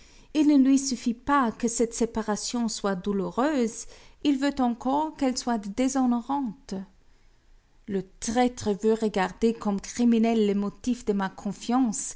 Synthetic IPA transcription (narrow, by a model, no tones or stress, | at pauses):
ilnəlɥisyfipakəsɛt̪sepaʁasjɔ̃swad̪uluʁøːzilvøt̪ɑ̃kɔʁkɛlswad̪ezɔnoʁɑ̃t̪ | lət̪ʁɛt̪χəvøʁəɡaʁd̪ekɔmkχiminɛlːemɔt̪ifd̪əmakʰɔ̃fjɑ̃ːs